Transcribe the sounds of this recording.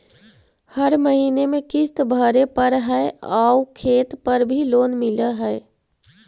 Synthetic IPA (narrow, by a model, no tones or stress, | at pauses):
həɾməɦiːnemẽkɪst̪bʱəɾepəɾɦɛeaukʰeːt̪pəɾbʱiloːnmɪləɦɛe